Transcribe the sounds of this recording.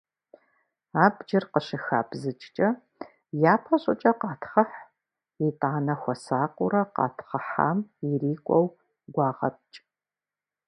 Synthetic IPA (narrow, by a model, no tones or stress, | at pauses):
aːbd͡ʒɪrqəʃɪxaːbzɨt͡ʃʼt͡ʃʼɐ | jaːpʰɐɕʼʊt͡ʃʼɐqɑːtχɐħ | itʼaːnɐxʷɔsaːqʷʼʊɾɐqɑ̰ːtʰχɐħa̰ːmiriːkʷʼɔw | ɡʷɑːʁɐ̰p̚ʼt͡ʃʼ